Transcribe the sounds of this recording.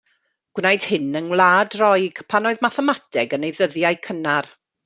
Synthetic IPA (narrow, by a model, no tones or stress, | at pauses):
ɡ̥wnajd̥hɪnənwlˠaːdrɔjɡ̥pʰanoːɨðmaθɛmatʰɛɡənejðəðjajkʰənar